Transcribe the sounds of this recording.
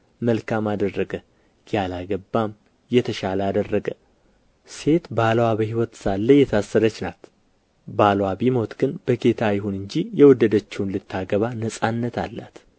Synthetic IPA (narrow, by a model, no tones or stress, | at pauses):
məlkʰamad̪ərːəɡə | j̥alaɡəbːam | jɛt̪ʰəʃaləad̪ərːəɡə | se̞t̪balwabəhiwɔt̪salːəjɛt̪ʰasːəɾət͡ʃːnat̪ | balwabimo̞t̪ɡ̥ɨnb̥əɡe̞t̪ʰajɪɦunɨɲd͡ʒijɛwɔd̪ːəd̪ət͡ʃːɛwunlɨt̪ʰːaɡəβanəsʼanːət̪ʰa̰lːa̰t̪